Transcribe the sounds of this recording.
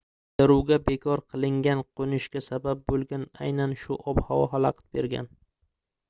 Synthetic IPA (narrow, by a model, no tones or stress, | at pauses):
d̪ɪɾuwɡʲabekʰɒɾqʰɨlˠɪŋɡʲanqʰonɪʃkʲasabap̚bolˠɡʲana̰jnanʃʊʔɒbhawɒɦalˠɑqʰɨ̥t̪̚beɾɡʲa̰n